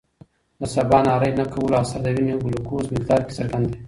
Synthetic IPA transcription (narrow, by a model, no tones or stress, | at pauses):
nasabɑnɑːɾəjnakawulaːsaɾd̪awineɡʊlokozmɪkd̪ɑːɾke̥saɾɡand̪e